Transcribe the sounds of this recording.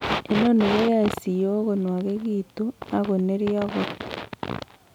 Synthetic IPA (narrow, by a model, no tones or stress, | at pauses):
enoneɣojasijoɣonwaɣeɣiːtonaɣoneɾiaɣo